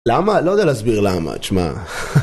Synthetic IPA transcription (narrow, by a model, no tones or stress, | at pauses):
lamalod̪ealeːzbiʁlama̰t͡ʃma̰